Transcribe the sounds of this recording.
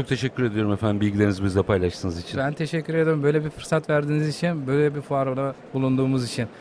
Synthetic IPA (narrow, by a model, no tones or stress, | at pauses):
t͡ʃo̞k̚t̪ʰe̞ʃɛcʰʲːyɾe̞d̪ijo̞ɾumɛfænmbilʲɟilʲeɾinizbizd̪ˠapʰajlˠaʃt̪ʰɯnɯzit͡ʃʰinbænt̪ʰeʃɛcʰːyɾe̞d̪iɾumbø̞jlʲebiɾfɯɾsat̪væɾd̪iːnizit͡ʃʰinbø̞jlʲɛbifuaɾod̪ˠa | bulˠund̪uːmuzit͡ʃʰin